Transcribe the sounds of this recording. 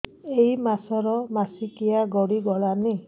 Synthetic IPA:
ejmasɔɾɔmasikijaɡɔɽiɡɔɭani

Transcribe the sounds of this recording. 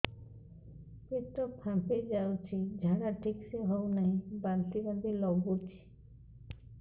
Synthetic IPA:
pit̪ɔpʰãped͡ʒawt͡ʃʰid͡ʒʱaɽaʈʰikseɦownaɦĩbant̪iband̪ilɔɡut͡ʃʰi̥

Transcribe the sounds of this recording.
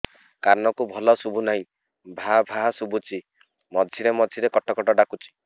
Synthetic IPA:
kaɾnɔkubʱɔlɔsubʱunaɦĩ | bʱabʱasubʱut͡ʃʰi | mɔd͡ʒʱiɾemɔd͡ʒʱiɾekɔʈɔkɔʈɔɖakut͡ʃʰi̥

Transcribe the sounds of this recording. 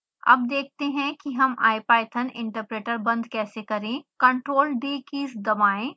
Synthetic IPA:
ɐ̰b̚d̪eːk̚ʰt̪eɦɛ̃kiɦɐma̰ːjpaːjt̪ʰɐnɪ̃ɳʈəɾpɾeːʈəɾbɐ̃nd̪kɛːsekɐɾẽːkɐ̃ɳʈɾoːlɖeːkiːsd̪ɐʋaːẽː

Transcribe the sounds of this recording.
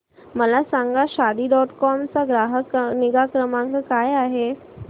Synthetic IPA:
məlasaŋɡaɕad̪iːɖɔʈkɔmt͡saɡɾaɦəkniɡakɾəmãŋkəkajaɦe

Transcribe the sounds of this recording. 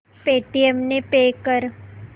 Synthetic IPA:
peʈiemnepekəɾ

